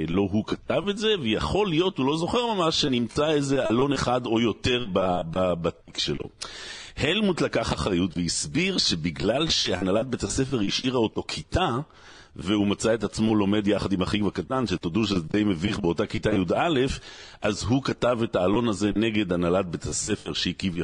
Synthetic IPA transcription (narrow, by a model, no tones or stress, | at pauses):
lo̞ɦukatavetze̞vejaχo̞lijo̞thulo̞zo̞χe̞ʁmamaʃːenimt͡saeze̞alo̞neχado̞jo̞te̞ʁbababatikʃelʔo̰helmutlakaχaχʁajutveisbiʁʃe̞biɡlalʃe̞analat̚betase̞fe̞ʁiʃʔiʁaoto̞kʰita | vehumat͡sae̞tat͡smo̞lo̞me̞djaχadimhaχikvakatanʃetoduʃ̬ezdejmeviχbeo̞takitajudale̞fʔazɦukatave̞taːlo̞naze̞ne̞ɡe̞d̪analat̚betase̞feʁʃeikiva